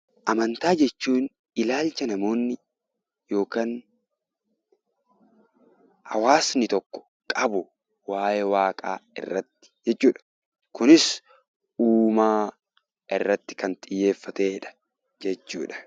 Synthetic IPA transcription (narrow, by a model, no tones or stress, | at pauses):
ʔɐmɐnt̪aːd͡ʒɛt͡ʃːuːn | ɪlaːlt͡ʃɐnɐmo̞ːnːɪ | jo̞ːkaːn | hɐwaːsnɪt̪ɔkːɔ̥ | kʼɐbʊ | waːjɛwaːkʼa̰ːɪ̰rːɐt̪ːɪ̥d͡ʒɛt͡ʃːuːᶑɐ̥ | kʊnɪs | uːmaː | ʔɪrːɐt̪ːɪ̥kɐnt̪ʼɪjːe̞ːfːɐt̪eːᶑɐ̥ | d͡ʒɛt͡ʃːuːᶑɐ̥